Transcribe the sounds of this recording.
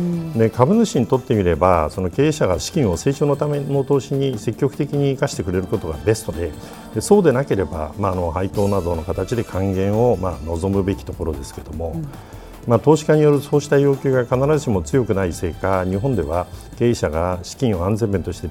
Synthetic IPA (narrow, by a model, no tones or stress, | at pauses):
ne̞kabɯ̟nɨɕiɲ̟it̪o̞t̪ːe̞mʲiɾe̞baso̞no̞ke̞ːɕaɡaɕi̥kʲĩɰ̃o̞se̞ːt͡ɕo̞ːno̞t̪ame̞no̞t̪o̞ːɕiɲ̟ise̞kʲːo̞kɯ̟t̪e̞kʲiɲ̟iːkaɕi̥t̪e̞kɯ̟ɾe̞ɾɯ̟ko̞t̪o̞ɡa̰be̞st̪o̞d̪e̞ | d̪e̞so̞ːd̪e̞nake̞ɾe̞ba̰maːno̞hait̪o̞ːnad̪o̞no̞kat̪at͡ɕid̪e̞kʰãŋɡẽ̞ɰ̃o̞mano̞zo̞mɯ̟be̞kʲi̥t̪o̞ko̞ɾo̞d̪e̞sɨ̥ke̞d̪o̞mo̞ | maːt̪o̞ːɕi̥kaɲ̟ijo̞ɾɯ̟so̞ːɕi̥t̪ajo̞ːkʲɨːɡakanaɾazɨɕimo̞t͡sɨjo̞kɯ̟naise̞ːkaɲ̟iɦõ̞nd̪e̞βa | ke̞ːɕaɡaɕi̥kʲĩɰ̃o̞ãnzẽ̞mbent̪o̞ɕi̥t̪e̞